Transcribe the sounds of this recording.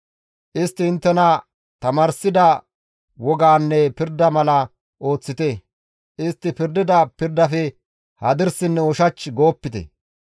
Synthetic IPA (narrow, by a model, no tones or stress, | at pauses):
ʔɪst̪ːɪɪnt̪ːɛnɐ | t̪ɐmaːɾsɪd̪ɐ | wɔɡaːnːɛpɪɾd̪ɐmɐlɐ | ʔo̞ːt͡sːɪt̪ɛ | ʔɪst̪ːɪpɪɾd̪ɪd̪ɐpɪɾd̪ɐfɛ | hɐd̪ɪɾsɪnːɛɔʃɐt͡ʃːɡo̞ːpːɪt̪ɛ̰